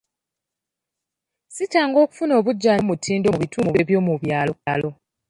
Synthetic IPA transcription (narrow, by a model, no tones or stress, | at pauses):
sitaːŋɡo̞ːku̥funo̞ːβuɟːaːmutʰiːndoβituːmuβeβjo̞ːmuβjaːloalo̞